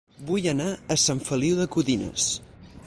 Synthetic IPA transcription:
bujənaəsaɱfəliwðəkuðinə̰s

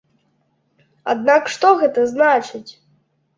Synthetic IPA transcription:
a̰d̪nakʂt̪ɔɣɛt̪ɐznat͡ʃɨt͡sʲ

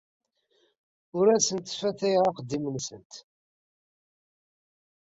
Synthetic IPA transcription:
ʊɾæsənt̪fæθæjʁɑqəd̪ːimənsənt̪

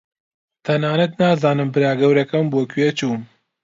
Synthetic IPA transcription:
t̪ʰɐnaːnɐt̪naːzaːnɨmbɨɾaːɡɐwɾɛkɐmboːkʰɥet͡ʃʰuːn

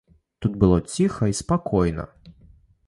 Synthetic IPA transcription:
t̪ut̪̚bɨlˠɔt͡sʲixɐispakɔjnɐ̰

